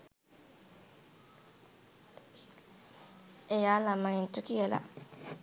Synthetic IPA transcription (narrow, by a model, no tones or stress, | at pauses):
ejalamajintukijela̰